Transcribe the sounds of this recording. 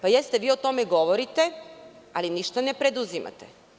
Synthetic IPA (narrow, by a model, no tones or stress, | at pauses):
pajest̪eʋiːo̞t̪o̞meɡo̞ʋoɾit̪ealiniʃt̪anepɾe̞d̪uzima̰t̪e